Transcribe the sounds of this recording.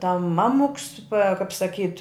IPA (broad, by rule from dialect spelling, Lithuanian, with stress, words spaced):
tɐm ˈmɑːmʊks pɐ kɐp sɐˈkʲiːt